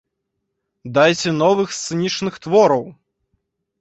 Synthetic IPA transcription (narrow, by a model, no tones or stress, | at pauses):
d̪ajt͡sʲɛnɔvɨxst̪sɨnʲit͡ʂnɨxt̪vɔɾɐw